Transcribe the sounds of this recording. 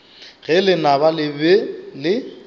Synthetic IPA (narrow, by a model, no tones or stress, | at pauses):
ɣɛlɪnabalɪbɛlɪ